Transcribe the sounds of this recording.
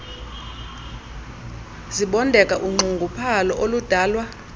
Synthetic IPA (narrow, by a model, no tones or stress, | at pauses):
ziɓɔndʱɛkʼaʔuŋ͡ǃʱuŋɡʱupʰalɔʔolud̥ʱaːlwa